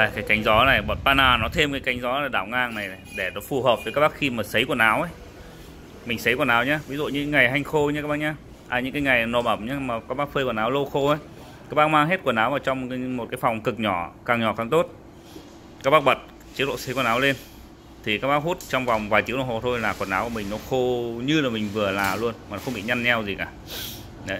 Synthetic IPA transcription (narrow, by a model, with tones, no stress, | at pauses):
aː˨˩kaː˨˦jka˨˦jŋ̟zɔ˨˦na˨˩jɓo˨˩t̚paː˧naː˧˩nɔ˨˦t̪ʰe˧mkaː˨˦jka˨˦jŋ̟zɔ˨˦laː˨˩ɗaː˧˩wŋaː˧ŋna˨˩jɗe˧˩nɔ˨˦fu˨˩həː˨˩p̚vkaː˦˥ɓa˦˥xi˧maː˨˩sə˨˦jku˧˩ənaː˨˦wʔə˨˦j | mi˨˩ŋ̟sə˨˦jku˧˩ənaː˨˦wɲaː˧vi˧zṵ˧˨ɲɨ̰˧˥˨ŋa˨˩jɦa˧jŋ̟xo˧ɲa˧˦ka˦˥ɓaː˧˥ɲaː˧ | ʔaː˨˩ɲɨ̰˧˥ŋkaː˨˦jŋa˨˩jno˨˩mʔə˧˩mɲaː˨˧maː˨˩ka˦˥k̚ɓaː˦˥k̚fəː˧jku˧˩ənaː˨˦wlo˧xo˧ʔə˨˦j | ka˦˥k̚ɓaː˧˥nmaː˧ŋɦe˦˥t̚ku˧˩ənaː˨˦wvaː˨˩wt͡ɕɔ˧wŋ͡mmo˨˩t̚kaː˨˦jfa˨˩wŋ͡mkɨ˨˩k̚ɲɔ˧˩kaː˨˩ŋɲɔ˧˩kaː˨˩ŋt̪o˦˥t̚ | ka˦˥k̚ɓa˦˥k̚ɓə˨˩t̚ | t͡ɕi˨˦əlo̰˧˨sə˨˦jku˧˩naː˨˦wle˧n | t̪ʰi˨˩kaː˦˥k̚ɓaː˦˥khu˦˥t̚t͡ɕɔ˧wŋ͡mva˨˩wŋ͡mvaː˨˩jt͡ɕ̪i˨˦ŋlo˧˨ho˨˩t̪ʰo˧jlaː˨˩ku˨˩ənaː˨˦wku˧˩˨mï˨˩ŋ̟nɔ˨˦xo˧ɲɨ˧laː˨˩mï˨˩ŋ̟vɨ˨˩əlaː˨˩lu˧ənmaː˨nɔ˦xə˧wŋ͡mɓḭ˧˨ɲa˧nɲɛ˧wzi˨˩kaː˧˩ | ɗə˨˦